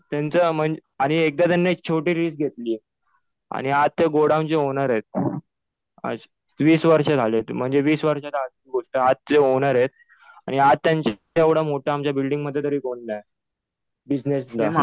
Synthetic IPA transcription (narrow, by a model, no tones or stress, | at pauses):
t̪jant͡səːm̤əɳaɽ̃iek̚d̪at̪̬anːek̚t͡ɕʰoʈiːɾiːsɡʱet̪liː | a̰ɽ̃iad̪̚t̪eɡoɽãmt͡ɕeɦonaɾet̪̚ | a̰d͡z | ʋiːsʋəɾʂad͡zʱalet̪m̤əɳd͡zeʋiːsʋəɾʂat̪ad̪ | ɡoʂʈəat̪̚ːeɦoñaɾjet̪̚ | aɽ̃iad̪̚t̪jaɲt͡ɕ | eʋɽamoʈʰaːmt͡ɕjabilɖĩŋɡm̤əd̪ʱjet̪əɾʋiːkoɳnaj | bid͡ʑnesd̪a